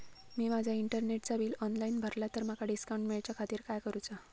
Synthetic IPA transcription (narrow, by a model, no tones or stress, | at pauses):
miːmad͡ʑʱjaiɳʈəɾneʈ̚t͡saʋiːlɔnlaiːnbʱəɾljat̪əɾmakaɖiskawɳʈmiɭt͡ɕjakʰat̪iːɾkajkəɾut͡sa